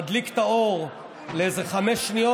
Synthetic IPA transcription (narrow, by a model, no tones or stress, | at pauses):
d̪likt̪aoʁ | leezeχameʃnijo